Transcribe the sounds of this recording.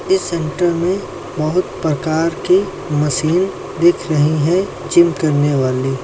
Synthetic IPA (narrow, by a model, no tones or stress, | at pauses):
ɪsːɛ̃ɳʈəɾmẽ | bɐɦʊt̪pɾɐkaːɾki | mɐsiːn | d̪ɪkʰɾɐɦiɦɛ̃ | t͡ʃɪmkɐɾneʋaːliː